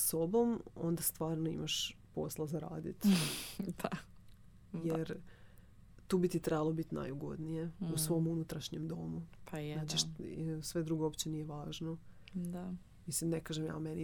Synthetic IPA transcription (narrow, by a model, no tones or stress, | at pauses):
so̞bo̞mo̞̰nd̪ast̪ʋaːɾnoḭmaʃpo̞̰slˠazaɾa̰ːd̪ḭt̪ | d̪̥a | jeɾ | t̪uːbit̪it̪ɾebalˠobit̪na̰juɡo̞̰d̪nije̞usʋo̞munut̪ɾaʃɲemd̪o̞mupʰnat͡ɕeʃsʋe̞d̪ɾuɡoopt͡ɕenije̞ʋaːʒno | d̪a | mislimnekaːʒemja̰ːmeni